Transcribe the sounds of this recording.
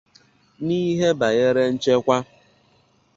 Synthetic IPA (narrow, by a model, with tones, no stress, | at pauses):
ni˦ɦe˦ba˨ɣe˦ɾe˦n̩˦t͡ʃe˦kʷa˦